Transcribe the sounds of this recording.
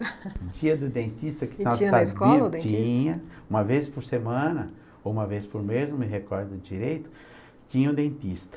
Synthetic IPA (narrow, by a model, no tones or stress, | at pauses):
d͡ʒiɐd̪ʊd̪ẽnt̪ist̪ɐkɪ̥nɔasĩt͡ʃĩɲɐ̃ũmɐvespʊɾsemɐ̃nɐ | owũmɐvespʊɾmezõmɪɦekɔɾd̪ʊd͡ʒiɾejt̪ʊ̥ | t͡ʃĩɲɐʊd̪ẽnt̪ist̪ɐ̥